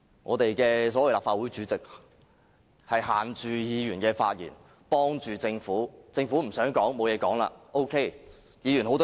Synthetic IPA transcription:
ŋʔɔː˨˧t̪e˨jkɛː˧s̬ɔː˨˥wɐ˨˧wlaː˨pfaː˧t̚wu˨˥jt͡ʃyː˨˥t͡sɪ˨k̚ | hɐ˨jɦaː˨nt͡ʃyː˨jiː˨˧jyː˨˩nkɛː˧fa̰ː˧t̚jḭ˨˩n | pɔː˥ŋt͡ʃyː˨t͡sɪ˧ŋfuː˨˥t͡sɪ˧ŋfuː˨˥m̩˨˩sœː˨˥ŋkɔː˨˥ŋmo˨˧wjɛː˨˧kɔː˨˥ŋla̰ː˧ʔo˥wkʰe˥j | jiː˨˧jyː˨˩nho˨˥wt̪

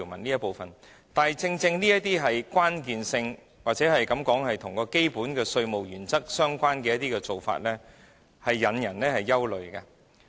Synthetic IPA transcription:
wmɐ˨˩niː˥jɐ˥t̚po˨wfɐ˨˩n | t̪aː˨jt͡sɪ˧ŋt͡sɪ˧ŋniː˥jɐ˥t̚t̪iː˥ɦɐ˨jkʷaː˥nk̬iː˨nsɪ˧ŋ | waː˨t̚t͡sɛː˨˥ɦɐ˨jkɐ˨˥mkɔː˨˥ŋhɐ˨jt̪ʰʊ˨˩ŋkɔː˧ke˥jpuː˨˥nkɛː˧sɵ˧ɥmo˨˩wjyː˨˩nt͡sɐ˥k̚sœː˥ŋkʷaː˥nkɛː˧jɐ˥t̪iː˥kɛː˧t͡so˨wfa̰ː˧t̚lɛː˥ | hɐ˨jːɐ˨˧njɐ˨˩nlɛː˥hɐ˨jːɐ˥wlɵ˨ɥkɐ˧

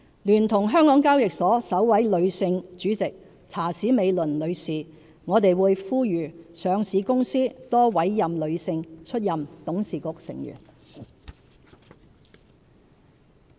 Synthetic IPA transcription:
lyː˨˩nt̪ʰʊ˨˩ŋɦœː˥ŋkɔː˨˥ŋkaː˥wjɪ˨k̚sɔː˨˥sɐ˨˥wwɐ˨˥jlɵ˨˧ɥsɪ˧ŋt͡ʃyː˨˥t͡sɪ˨k̚ | t͡sʰaː˨˩siː˨˥me˨˧jlɵ˨˩nlɵ˨˧ɥsiː˨ | ŋɔː˨˧t̪e˨jwuː˨˧jfuː˥jyː˨˩sœː˨˧ŋsiː˨˧kʊ˥ŋsiː˥t̪ɔː˥wɐ˨˥jːɐ˨mlɵ˨˧ɥsɪ˧ŋt͡ʃʰɵ˥t̚jɐ˨mt̪ʊ˨˥ŋsiː˨kʊ˨k̚sɪ̰˨˩ŋjy̰ː˨˩n

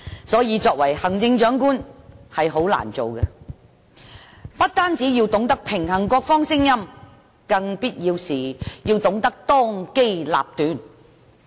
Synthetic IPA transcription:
sɔː˨˥jiː˨˧t͡sɔː˧k̚wɐ˨˩jhɐ˨˩ŋt͡sɪ˧ŋt͡ʃœː˨˥ŋkuː˥nhɐ˨jɦo˨˥wla̰ː˨˩nt͡so̰˨wkɛ˧ | pɐ˥t̚t̪aː˥nt͡siː˨˥ji˧wt̪ʊ˨˥ŋt̪ɐ˥k̚pʰɪ˨˩ŋhɐ˨˩ŋkɔː˧k̚fɔː˥ŋsɪ˥ŋjɐ˥m | kɐ˧ŋpiː˥t̚jiː˧wsiː˨˩jiː˧wt̪ʊ˨˥ŋt̪ɐ˥k̚t̪ɔː˥ŋke˥jla̰ː˨p̚t̪yː˨˥n

